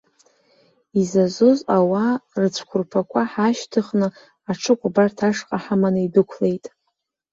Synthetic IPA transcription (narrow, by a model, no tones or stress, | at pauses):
izazozawarɨt͡ɕʷʰkʷʰʊrpʰakʷʰaħaʃtʰɨχnɨ | aʈ͡ʂʰɨkʷʼbartʰaʂqʼaħamanɨidɨkʷʰle̞jtʼ